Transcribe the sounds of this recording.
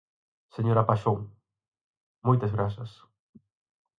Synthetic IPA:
seɲoɾapaʃoŋ | mojt̪ɐzɣɾasɐs

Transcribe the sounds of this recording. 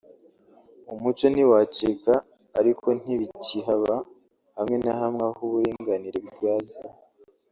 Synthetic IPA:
umut͡ʃo̞niwat͡ʃikaː | ɾikʰo̞n̥iβiciɦaβa | hamŋe̞naɦamŋahuβuɾiːŋɡaniɾeb̚ɡaːza

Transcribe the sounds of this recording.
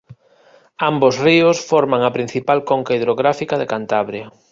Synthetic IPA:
ambosriʊsfɔɾmaŋɐpɾin̟θipalkoŋkaiðɾoɣɾafikaðekant̪aβɾjɐ

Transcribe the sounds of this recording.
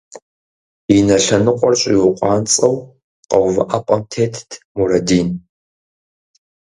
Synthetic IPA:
inɐɬɐnɨqʷʼɔrɕʼḭwʊqʷʼɑːnt͡sʼɐw | qɐwvɐʔɐpʷʼɐmtʰeːtʰtʰmurɐdiːn

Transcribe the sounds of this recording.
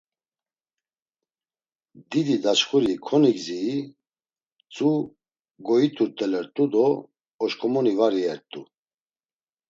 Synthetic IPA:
d̪id̪id̪at͡ʃχuɾikʰɔniɡziː | t͡sʼu | ɡɔit̪ʰuɾt̪ʼɛlɛɾt̪ʼud̪ɔː | ʃkʰʼɔmɔnivaɾiɛɾt̪ʼu

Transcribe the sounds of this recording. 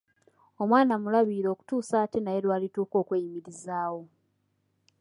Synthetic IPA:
o̞mwaːnamulaβiːɾo̞ːku̥tuːsaːtenaje̞lwaːlituːko̞ːkweːjimiɾizaːwo̞

